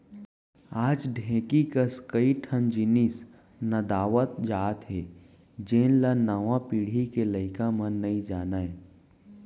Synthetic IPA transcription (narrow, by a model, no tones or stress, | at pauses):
aːd͡ʒɖʱẽːkikəskəiʈʰənd͡ʒinis | nɐd̪aːʋət̪̚d͡ʒaːt̪ɦeː | d͡ʒeːnlanəʋãpiːɽ̤ikeləɪkãmə̃nːəĩd͡ʒaːnaẽ